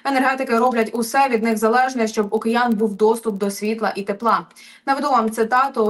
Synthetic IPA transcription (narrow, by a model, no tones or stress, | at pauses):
enerɦɛt̪ɪkɪɾɔblʲɐtʲʊsɛʋʲid̪nɪxzɐlˠɛʒnɛʃt͡ʃɔbʊkejɑnbuwd̪ɔst̪ʊp̚d̪ɔsʲʋʲit̪lˠɐʔit̪eplˠɑ | nɐʋɪd̪uʋamt̪sɪt̪ɑt̪ʊ